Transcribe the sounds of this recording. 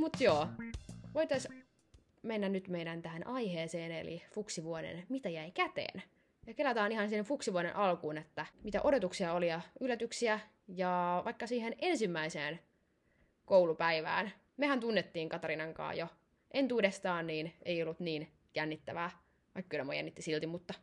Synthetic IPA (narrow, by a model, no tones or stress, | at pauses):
mut̪joːʋoit̪ɑs | menːænnyt̪meiɾænt̪æhænʔɑiheːseːnḛlḭfuksiʋuonḛnmit̪æjæikæt̪ḛːn | jɑkelæt̪ɑːnihɑnsihenfuksiʋuonenʔɑlkuːnet̪ːæmit̪æ̰ʔo̞dot̪uksiɑolijɑylːæt̪yksiæ | jɑʋʔɑikːɑsiːhenensimːæise̞ːn | koulupæiʋæ̰ːn | mehænt̪unːet̪ːiːŋkɑt̪ɑɾinɑŋkɑ̰ːjo | ʔe̞nt̪uːdest̪ɑːnniːnejolːut̪niːn | jænːit̪ːæʋæː | ʋɑikːkylæmo̰jæ̰nːit̪ːisilt̪imut̪ːɑ